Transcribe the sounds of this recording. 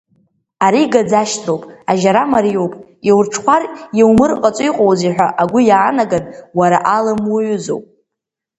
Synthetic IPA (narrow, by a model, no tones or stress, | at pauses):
aɾiɡad͡zaʃtʰrowpʼaʒaɾamaɾiowpʼjewrʈ͡ʂʰχʷʰarjewmɨrqʼat͡sʼʊjqʼowziħʷᶣaʔaɡʷʊjaːnaɡadʼwaɾaʔalamwuʕʊzo̰wpʼ